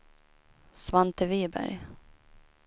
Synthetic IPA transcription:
svant̪əviːbæ̰ɾj

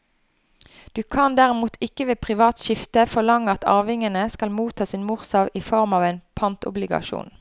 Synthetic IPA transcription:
d̪̥ʉːkʰɑnd̪æːʁɪmuːt̪ʰɪkəʋeːpʰʁɪʋɑːt̪ʃɪft̪əfɔʁlɑŋːəɑt̪ɑ̰ːʋɪŋənəskɑlmuːt̪ʰɑːsiːnmʊʁsɑʋiːfɔʁmɑːʋæɪnpʰɑnt̪ʊ̰blɪɡɑ̰ʃṵːn

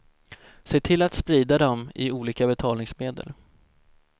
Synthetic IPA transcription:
seːt̪ʰɪlːat̪spɾiːd̪ad̪ɔmɪ̰uːliːkabɛt̪ʰɑːlnɪŋsmeːd̪ə̰l

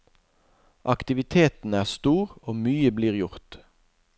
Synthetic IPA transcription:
ʔɑkt̪ɪʋɪt̪ʰeːt̪n̩æːʁst̪uːʁoːmyːəbliːʁjʊʁt̪

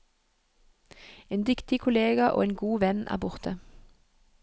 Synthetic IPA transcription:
eːnd̪ʏkt̪ɪkʰʊleːɡɑʔo̰ːeːnɡuːʋɛnʔæ̰ːʁbʊʁt̪ʰə

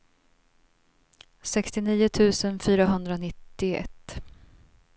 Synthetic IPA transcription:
sɛkst̪ɪniːʊt̪ʰʉ̟ːsənfyːɾaɦɵnd̪ɾaɔnɪt̪ːɪɛ̰t̪ː

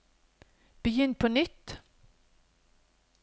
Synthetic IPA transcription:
b̥əjʏnt̪̚pʰɔnʏt̪ː

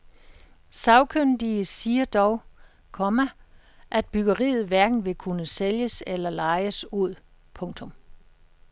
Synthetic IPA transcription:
sɑ̈ʊkʰønd̥iəsiːɐd̥ɒʊ | kʰɒ̽mæ | ʔæd̥̚b̥yɡ̥ɐʁḭːð̞̩ˠʋæɐɡ̥n̩ʋe̝kʰunəseljəselɐlɑ̈ɪəsuð̰ˠ | pʰɔ̽ŋt͡sʰɔ̽m

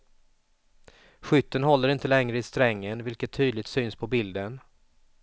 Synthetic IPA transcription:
ɧʏt̪ːənɦɔlːəɾɪnt̪əlɛŋɾəɪst̪ɾɛŋːənvɪlkət̪ʰːyːd̪lɪɡt̪syːnspʰɔbɪld̪ən

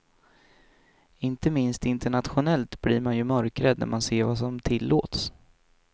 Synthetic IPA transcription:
ɪnt̪əmɪnst̪ɪnt̪əɳat̪ɧʊnɛlt̪b̥liːɾmanjɵmœɾkɾəd̪̚næ̰ɾmanseːɾvasɔmt̪ʰɪlːo̰ːt̪s

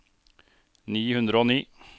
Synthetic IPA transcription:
niːhʉnd̪ɾəoːniː

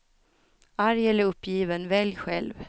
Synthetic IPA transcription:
aɾjɛlːəɾɵpːjiːvənvɛljɧɛlv

